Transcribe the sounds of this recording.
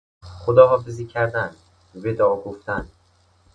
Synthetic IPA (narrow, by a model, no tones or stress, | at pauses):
χod̪ɒːɦɒːfeziːcʰæɾd̪æn | bed̪ɒʔɒːɡoft̪æn